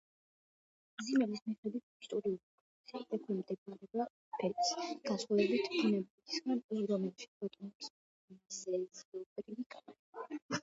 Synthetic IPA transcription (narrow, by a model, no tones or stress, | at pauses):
zimɛlismiχɛd̪wit̪ʰist̪ʼɔɾiulipʰʼɔ | sɛɛkʰɛmd̪ɛaɾɛba | pʰɛt̪sɡ̥asχulɛbit̪ʰkʰunɛbik̪ʰi̥sɡanɾɔmɛlˠʃi̥ɾɔt̪ʼɔmɔps | izɛsɔbɾiik̪ʼa